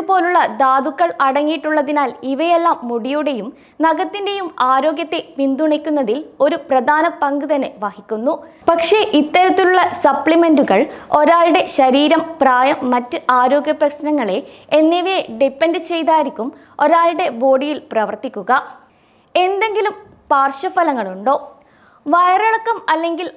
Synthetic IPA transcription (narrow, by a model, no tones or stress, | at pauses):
upo̞ːluɭːɐd̪aːd̪ukːɐɭɐɽɐŋːijiʈːuɭːɐðinaːliʋɐjelːaːmːuɽijuɽe̞jum | nɐɣɐt̪ːinde̞jumaːɾo̞ːɡʲjɐt̪ːe̞pind̪uɳikʲːunːɐðilo̞ɾuprɐd̪ʱaːnɐpɐŋɡɨðɐneʋɐhikʲːunːu | pɐkʂe̞ʔit̪ːɐɾɐt̪ːiluɭːɐsɐpɭime̞nduɣɐɭo̞ɾaːɭɽe̞ɕɐɾiːɾɐmpraːjɐmːɐtːɨʔaːɾo̞ːɡjɐprɐkʂɐnɐŋːɐɭe̞enːeʋeɖipːendɨt͡ɕe̞jt̪aːjɾikʲːum | o̞ɾaːɭɽe̞bo̞ːɽijilprɐʋɐrt̪ikʲːuɣɐ | e̞nd̪e̞ŋɡilum | paːrʂɐfɐlɐŋːɐɭuɳɖo̞ː | ʋɐjɐrɐɭɐkːɐmɐlːe̞ŋɡil